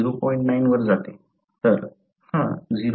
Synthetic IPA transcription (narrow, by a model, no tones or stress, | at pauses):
iɾopɔĩɳʈnainʋəɾd͡zat̪e | t̪əɾ | hãd͡ziɾ